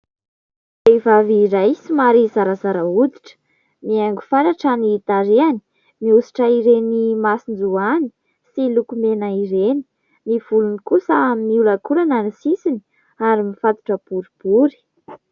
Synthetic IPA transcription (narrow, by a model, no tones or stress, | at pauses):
d̪evaviɾajsimaɾizaɾazaɾaud̪iʈ͡ʂə̥ | miaŋɡufaɾaʈ͡ʂaniːt̪aɾiani̥ | miusi̥ʈ͡ʂəiɾenimasind͡zuani̥ | silukumenaiɾeni̥ | niv̥ulunikusəaminiulakulananisisini̥ | aɾimifat̪u̥ʈ͡ʂəb̥uɾib̥uɾi̥